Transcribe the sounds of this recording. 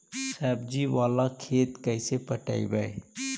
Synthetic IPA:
sɛːbd͡ʒiʋaːlakʰeːt̪kəsepəʈa̰ːḭbəe

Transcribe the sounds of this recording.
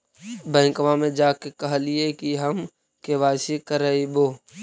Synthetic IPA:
bɛ̃ːŋkʋamẽd͡ʒaːkekɐɦliekiɦəm | keʋaːsikəɾəiboː

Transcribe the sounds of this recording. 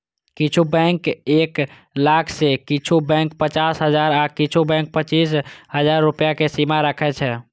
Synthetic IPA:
kit͡ʃʰubɛŋkek | lakʰsekit͡ʃʰubɛ̃ŋk̚pət͡ʃasɦəd͡ʒaɾakit͡ʃʰubɛ̃ŋk̚pət͡ʃisɦəd͡ʒaɾːupjakesimaɾəkʰɛt͡ʃʰɛ

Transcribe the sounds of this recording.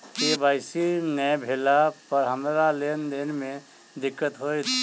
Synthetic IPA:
kebaɪsinɛbʱelapəɾɦəmɾalend̪enmẽ | d̪ɪkːət̪ɦojt̪ʰ

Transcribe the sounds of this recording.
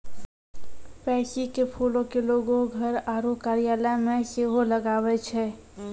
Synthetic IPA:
pɛsikepʰolõkeloɡoɡʱəɾaɾokaɾijaləmeseɦoləɡabɛt͡ʃʰɛ

